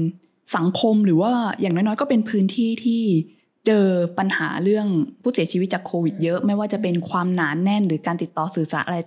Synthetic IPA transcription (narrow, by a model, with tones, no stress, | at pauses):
sa˩˦ŋkʰo˧mɾɯː˩˦waː˥˩jaː˨˩ŋnɔː˥˩jnɔː˦˥jkɔː˥˩pe˧npʰɯː˦˥nt̪ʰiː˥˩t̪ʰiː˥˩ | t͡ɕɤː˧pa˧nha̰ː˩˦ɾɯ˥˩əŋpʰuː˥˩si˩˦t͡ɕʰi˧i˦t̪̚t͡ɕaː˨˩kʰːoː˧wi˨˩t̪̚jɤ˦˥ʔma˥˩jwaː˥˩t͡ɕa˨˩pe˧nkʰwaː˧mnaː˩˦nːɛ˥˩nɾɯː˩˦kaː˧nt̪i˨˩t̪ːɔː˧sɯː˨˩sa̰˩˦˥ʔa˧ɾa˧